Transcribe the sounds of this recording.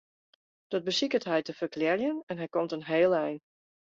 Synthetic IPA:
d̥ɔd̚bəsikətɦɛjtəfərklɛrjənɛnɦɛjkɔmtənɦeːlˠɛjn

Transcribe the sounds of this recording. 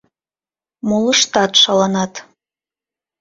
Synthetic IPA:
muləʃt̪ɑt̪ʃɑlɑnɑt̪

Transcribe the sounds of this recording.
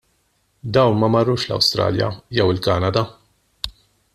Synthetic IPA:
d̪ɐwnmɐmɐrːuːʃlɐ̰wst̪ɾɐ̰ːljɐ̰jɛwɪlkɐːnɐd̪ɐ

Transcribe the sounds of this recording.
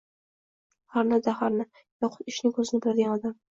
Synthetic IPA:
haɾnazahaɾnɪ | jɒqʰʊ̥t̪ɪʃnɪŋkʰɵzɪnɪbɪlad̪ɪɡʲanɒd̪am

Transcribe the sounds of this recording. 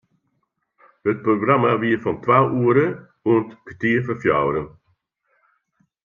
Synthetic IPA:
hət̚proɡramaʋiːfɔntʋawuəɾə | uəntkətiːəfəfjɔ̰wɾən

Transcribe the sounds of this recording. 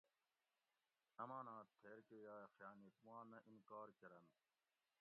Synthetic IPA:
nɐmãːnãːt̪ʰːeːɾkejaːxjaːnit̪mãːnɐʔinkaːɾkɐɾɐn

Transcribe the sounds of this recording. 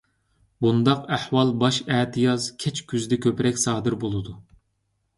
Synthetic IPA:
bund̪ɑqæhwɑlˠbɑʃɛːt̪ʰɨjɑzkʲʰɛt͡ʃkʲʰyzd̪ɛkʲʰøpɾɛkʲsɑːd̪ɨɾbolˠɨd̪u

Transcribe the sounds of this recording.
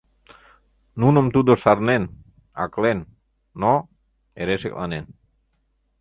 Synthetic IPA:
nunomt̪ud̪osaɾnen | a̰klenː | o | eɾeʃḛkla̰nen

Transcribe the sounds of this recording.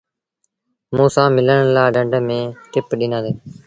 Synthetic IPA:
mõːsãːmɪləɳlaːɖəɳɖmẽːʈɪpɗiːnãːd̪eː

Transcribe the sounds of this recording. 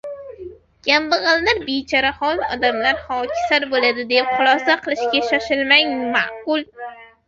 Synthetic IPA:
ɡʲambɨʁɨlˠːaɾbet͡ʃʰaɾahɒlˠɒ̰d̪amlaɾhɒkʲʰɪ̥saɾbolad̪ɪd̪epχʊlˠɒsaqʰɨlˠɪʃkʲaʃaʃɪlmaŋma̰ʔqʊlˠ

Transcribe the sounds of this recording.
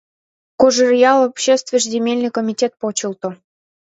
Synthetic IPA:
koʒərjɑlˠopɕest̪vʲəʐzʲemʲelʲnɨjkomʲitʲet̪̚pot͡ɕəlt̪ŏ

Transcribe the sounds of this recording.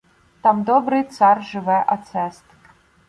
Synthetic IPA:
t̪amd̪ɔbɾɨt̪sarʐɨvɛʔat̪sɛst̪

